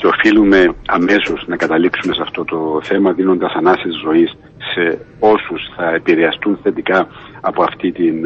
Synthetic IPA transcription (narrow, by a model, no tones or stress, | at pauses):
ceo̞filume̞ɐme̞so̞snɐkɐt̪ɐliksume̞sɐft̪o̞t̪o̞θe̞mɐðino̞nd̪ɐsɐnɐsezzo̞isː | e | o̞susθɐepiɾeɐst̪unθe̞t̪ikɐːpo̞ɐft̪it̪in